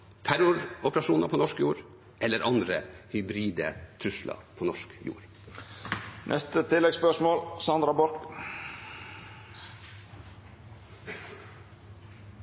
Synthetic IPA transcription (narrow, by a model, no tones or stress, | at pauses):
t̪ʰæɾʊɾɔpəɾɑʃuːnɑpʰoːnɔʂkjuːɾ | ʔɛlːəɾʔɑnd̪ɾəhʏbɾiːd̪ət̪ʰɾʉʂlɑ̰pʰoːnɔʂkjṵːɾ | nʔɛ̰st̪ət̪ʰɪlɛɡspœʂmoːlsɑnd̪ɾɑbɔɾk